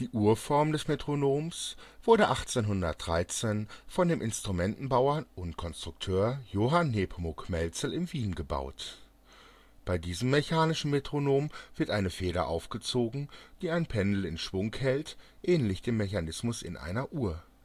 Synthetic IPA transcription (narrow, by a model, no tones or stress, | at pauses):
d̥iːʔuːɐfɔɐmdɛsmetʁ̥onoːmsv̥ʊɐɾəʔaχt͡seːnɦʊndɐt̚d̥ʁaɪt͡seːnfɔndeːmʔɪnstʁ̥umɛntn̩baʊɐʊntkʰɔnstʁ̥ʊk̚tʰøːɐjoːɦanːeːpʰmʊkmɛlt͡sl̩ɪmviːnɡəba̰ʊt | b̥aɪdiːzəmːeçaːnɪʃn̩metʁ̥onoːmvɪɐtʔaɪnəfeːɾɐ̰ʔa̰ʊfɡ̥ət͡soːɡŋ̩d̥iːaɪnpʰɛndl̩ɪ̰nʃv̥ʊŋkhɛltʔɛːnlɪçd̥eːmːeçanɪsmʊsɪ̰nʔa̰ɪnɐʔuːɐ